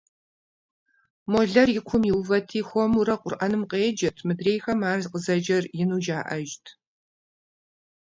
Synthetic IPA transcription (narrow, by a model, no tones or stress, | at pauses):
moɮɐrjɪkʷʰʊmjɪvɐtʰiːxʷɔmuɾɐqʷʼʊrʔɐnɨmqeːd͡ʒɐtʰmɨdreːjxɐmaːrzqəzɐd͡ʒɐrjɪnuːd͡ʒaːʔɐʒtʰ